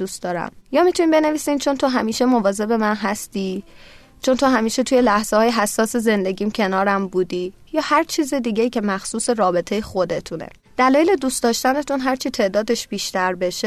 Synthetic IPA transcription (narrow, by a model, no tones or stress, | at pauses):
d̪ust̪d̪ɒːɾæ̰mjɒːmit̪ʰuniːmbe̞neviːsiːnt͡ʃʰo̞nt̪ʰo̞ɦæmiːʃe̞movɒːze̞be̞mænɦæst̪iː | t͡ʃʰo̞nt̪ʰoɦæmiːʃe̞t̪ʰuje̞læhz̥ehɒːjeɦæsːɒːse̞ze̞nd̪e̞ɟiːmcʰe̞nɒːɾæmbuːd̪iː | jɒːhæɾt͡ʃʰiːzed̪iːɟejiːcʰe̞mæxsuːse̞ɾɒːbe̞t̪ʰe̞jexo̞d̪e̞t̪ʰunḛ | d̪̥ælɒːjele̞d̪uːst̪d̪ɒːʃt̪æne̞t̪ʰunɦæɾt͡ʃʰit̪ʰe̞ːʔd̪ɒːd̪e̞ʃb̥iːʃt̪æɾbe̞ʃe